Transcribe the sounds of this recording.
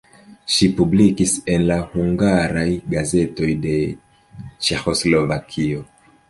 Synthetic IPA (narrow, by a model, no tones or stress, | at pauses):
ʃipublikise̞nlahuŋɡaɾajɡaze̞to̞jde̞ | t͡ʃe̞xo̞slo̞vakʰio̞